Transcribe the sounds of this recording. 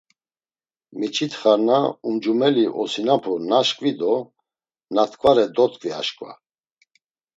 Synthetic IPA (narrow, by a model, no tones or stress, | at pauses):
mit͡ʃʰit̪ʰχaɾnaumd͡ʒumɛliʔɔsinapʰɔnaʃkʼvid̪ɔ | nat̪ʰkʼvaɾɛd̪ɔt̪ʰʼkʼvia̰ʃkʼva̰